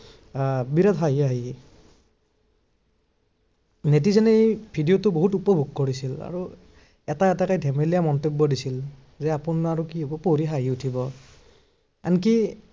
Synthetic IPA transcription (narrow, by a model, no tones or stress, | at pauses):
biɾatɦaɦiaɦi | netizanebʱidijotʊboɦutupɔbʱuɡ̚koɹisila̰ɹu | ɛtaɛtakajdʱemelijamɔntebːɔdisil | zɛapunaɹukiɦɔbɔpoɹiɦaɦiutʰibɔ | anki